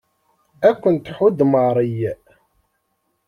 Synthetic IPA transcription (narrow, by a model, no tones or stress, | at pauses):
ækʷːənt̪ħʊd̪məʁɾˤij